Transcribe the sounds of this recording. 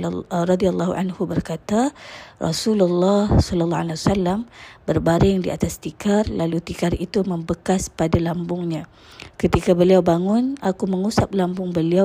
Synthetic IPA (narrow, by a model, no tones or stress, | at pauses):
ɾɔdialːahṵʔa̰nhubərkat̪arɔ̰sululːɑhsɔləlːɔalaasalːambərbaɾɪŋdia̰t̪ast̪ikarlalut̪ikarit̪uməmbəkaspadalambʊŋɲã | kət̪ikabəliawbaŋʊnakuməŋusap̚lambʊŋbəlia